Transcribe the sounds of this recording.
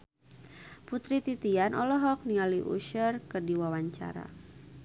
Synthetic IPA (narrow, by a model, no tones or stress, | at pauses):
put̪ɾit̪it̪ianʔɔlɔɦɔk̚nialiʔṵʃərkərdiwawaɲt͡ʃa̰ɾa̰